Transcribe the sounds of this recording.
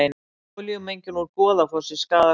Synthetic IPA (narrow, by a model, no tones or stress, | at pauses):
ɪn | liɣʏmejɲcɪnɔɾkɔːðafɔɾ̥sɪ̥skaːða